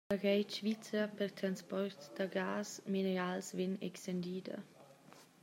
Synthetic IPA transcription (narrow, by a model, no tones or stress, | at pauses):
aɡɛjt͡ʃvit͡səpɛrt̪ɾanspɔrtd̥aɡaːsminɛɾalsvɛnɛ̰kstɛnd̪iːd̪ɐ̰